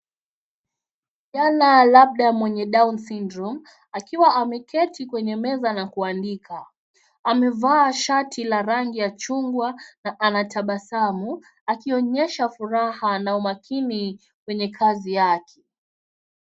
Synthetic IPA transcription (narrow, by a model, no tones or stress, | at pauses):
ʄanalaɓ̚ɗamwɛɲɛɗaunsindɾum | akiwaʔamɛkɛtikwɛɲɛmɛzanakuandikʰa | amɛvaːʃatʰilaɾaŋɡijat͡ʃuŋɡwanaʔanatʰaɓasamu | akiɔɲɛʃafuɾahanaumakʰini | kwɛɲɛkʰazijakʰɛ̥